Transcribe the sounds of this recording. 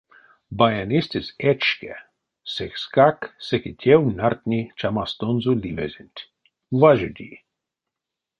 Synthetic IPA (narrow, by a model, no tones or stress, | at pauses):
bajanʲist̪ʲɪsɛt͡ʃkɛ | sɛkskaksɛkitʲʰɛwnart̪ʲnʲit͡ʃamast̪onzulʲimɛ̰zʲɪnʲt̪ʲ | vaʒud̪ʲḭ